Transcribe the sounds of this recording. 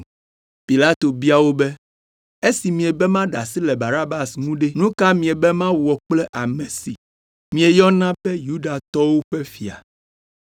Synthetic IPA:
pi˨la˦t̪o˨bi˦a˨wo˦bɛ˦ | e˦si˨mĩ˨e˨bɛ˦mã˦ɖa˨si˦lɛ˨ba˨na˦ba˨sŋũ˦ɖe˦nũ˦ka˦mĩ˨e˨bɛ˦mã˦wɔ˨k͡plɛ˦ʔa˨mẽ˨si˨ | mĩ˨e˨jɔ˦nã˦bɛ˦ju˦ɖa˨t̪ɔ˦wo˦ɸe˦fi˨a̰˨

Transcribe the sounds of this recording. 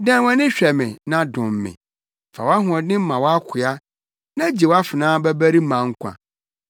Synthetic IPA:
dɛ̃˦wã˦nɪ̃˦ɕᶣɛ˨mɪ̃˨nã˦dʊ̃˨mː˨ɪ̰̃˨ | fa̰˨wa˦ɦʊ̃˨ɔ̃˨dɪ̃˦m˦mã˨wɔ˦a˦kʷʰʊ˨a˦ | nã˦d͡ʑi˨wa˦fɪ˨nãː˦bæ˦bæ˦ɾi˦mã˨ŋ̩˦kʷʰã̰˨

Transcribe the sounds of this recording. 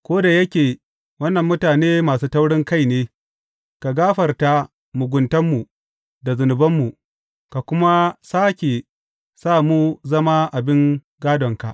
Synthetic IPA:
kʷoː˦da˨jɐ˦kʲeː˨ | wɐ˦nːɐ˨mːʊ˦taː˨neː˦maː˨suː˦tɐ˦wɽɪ˦ŋka˦˨jneː˦ | ka˨ɡaː˦ɸɐ˨rta˦ | mʊ˨ɡʷʊ˨ntɐ˦mːu˨ | da˨zʊ˨nʊ˨bɐ˦mːu˨ | ka˨kʷʊ˦ma˦saː˦kʲe˨ | saː˦˨mu˦zɐ˦ma˦ʔa˨bɪ˦ŋ | ɡaː˦dɔ˨ŋka˨ʔ

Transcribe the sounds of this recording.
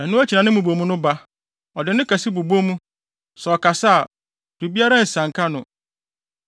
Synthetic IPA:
ã˨nʊ̃˦æ˦t͡ɕʰi˨nã˨nɪ̃˦mũ˨bo˨mũ˦nʊ̃˦ba˦ | ɔ˨dɪ˨nʊ̃˦kʰa˨si˦bu˨bo˦mũ˦ | sɛ˨ɔ˨kʰa˨sa˦a˨ | du˨bi˦a˦ɾã˦n̩˨sã˨ŋ̩˨kʰa˦nʊ̃˨

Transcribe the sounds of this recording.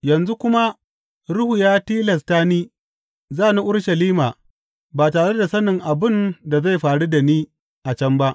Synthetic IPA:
jɐ˨nzu˦kʷʊ˦ma˦ | ɽʊ˦hu˨jaː˦tiː˦lɐ˨s̬taː˦niː˦ | zaː˦˨ni˦ʔʊ˦ɽʃɐ˨liː˦maː˨ | baː˨taː˨ɽe˦da˨sɐ˦nɪ˨ŋʔa˨bɪ˦nda˨za˦˨jɸaː˨ɽu˦da˨niː˦ | ʔa˨t͡ʃɐ˦mba˦ʔ

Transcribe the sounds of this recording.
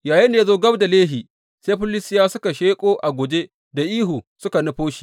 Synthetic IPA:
jaː˨ji˦nde˨zoː˦ɡɐ˦bda˨leː˦ɦiː˨ | seː˦ɸʊ˦lɪ˦sɪ˦jaː˦sʊ˦ka˨ʃeː˦kʼoː˦ʔa˨ɡʷo˨d͡ʒe˦ | da˨ʔiː˦ɦu˨sʊ˦ka˨nʊ˦ɸoː˦ʃi̥ː˨

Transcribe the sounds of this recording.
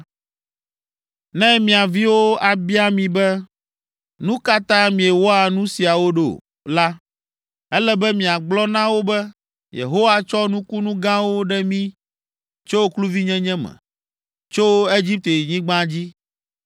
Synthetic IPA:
nɛ̃˦mĩ˨a˨vi˦wo˦a˨bi˦a˦mĩ˨bɛ˦ | nũ˦ka˦t̪ã˦mĩ˨e˨wɔ˦a˨nũ˦si˨a˨wo˦ɖo̰˨ | la˦ | ɛ˦lɛ˦bɛ˦mĩ˨a˨ɡ͡blɔ˦nã˦wo˦bɛ˦ | jḛ˨ɦo˦wa˦t͡ʃɔ˦nũ˦ku˦nũ˦ɡã˦wo˦ɖɛ˦mĩ˦ | t͡ʃo˦wo˦klu˦vi˦ɲɛ̃˦ɲɛ̃˦mɛ̰̃˨ | t͡ʃo˦e˦d͡ʑi˦p̚t̪e˨ɲĩ˦ɡ͡bã˦d͡ʑi˦

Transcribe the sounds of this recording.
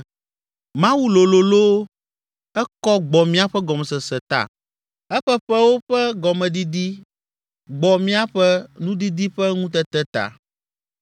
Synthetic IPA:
mã˦wu˦lo˨lo˨lo˦ | ɛ˦kɔ˦ɡ͡bɔ˨mĩ˦a˦ɸɛ˦ɡɔ˨m˨sɛ˨sɛ˨t̪a̰˨ | ɛ˦ɸɛ˦ɸɛ˦wo˦ɸɛ˦ɡɔ˨mɛ̃˨d̪i˦d̪i˦ | ɡ͡bɔ˨mĩ˦a˦ɸɛ˦nũ˦d̪i˦d̪i˦ɸɛ˦ŋũ˦t̪ɛ˦t̪ɛ˦t̪a̰˨

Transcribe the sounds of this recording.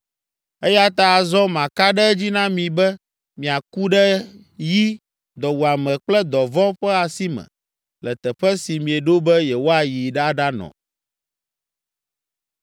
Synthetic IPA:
ɛ˦ja˦t̪a˦˨zɔ˦mã˨ka˦ɖɛ˦d͡ʑi˦nã˦mĩ˨bɛ˦ | mĩ˨a˨ku˦ɖɛ˦ | ji˦ | d̪ɔ˨wu˨a˨mɛ˨k͡plɛ˦d̪ɔ˨vɔ˦ɸɛ˦a˨si˦mɛ̰̃˨ | lɛ˨t̪ɛ˨ɸɛ˦si˨mĩ˨ɛ˨ɖo˦bɛ˦jɛ˨wo˦a˨ji˨ɖa˦ɖa˦nɔ̰̃˨

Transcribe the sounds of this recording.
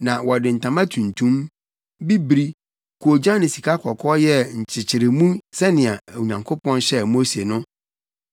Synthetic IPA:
nã˨wɔ˨dɪ˨n̩˨tʰã˨mã˦tʰũ˨ntʰũ˦m | bi˦bɾi˦ | kʰu˨o˨d͡ʑã˦nɪ̃˨si˨kʰa˦kʰɔ˨kʰɔ˦jɛ˦ɲ̩˨t͡ɕʰɪ˨t͡ɕʰɪ˨ɾɪ˨mũ˦sɛ˦nɪ̃˨a˨æ˨wu˨ɲã˨ŋkʰo˦pʰɔ̃˦nɕɛ˦mo˦se˨nʊ̃˦

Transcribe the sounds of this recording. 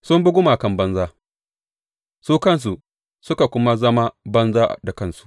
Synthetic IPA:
sʊ˦mbʊ˦ɡʷʊ˦maː˨kɐ˦mbɐ˦nzaː˦ | suː˦kɐ˦ns̬u˨ | sʊ˦ka˨kʷʊ˦ma˦zɐ˦ma˦bɐ˦nzaː˦˨da˨kɐ˦˨nsu̥˨ʔ

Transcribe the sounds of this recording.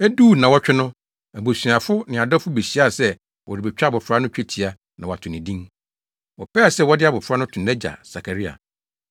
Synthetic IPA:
æ˦duː˦˨nã˨wɔ˦t͡ɕᶣɪ˦nʊ̃˦ | æ˨bo˨sɥa˨fʊ˦nɪ̃˨a˨dɔ˦fʊ˦be˨ɕi˦a˦˨sɛ˦ | wʔɔ˨ɾi˨bɛ˨t͡ɕᶣa˦bʊ˨fɾa˦nʊ̃˦t͡ɕᶣʰɛ˦tʰi˨a˦ | nã̰˨wa˨tʰʊ̃˨nɪ̃˨dĩ˦ | wɔ˨pɛː˦˨sɛ˦wɔ˦dɪ˦a˨bʊ˨fɾa˦nʊ̃˦tʰʊ̃˨nɛ̃˦d͡ʑa̰˨sa˨kʰa˨ɾi˦a̰˨

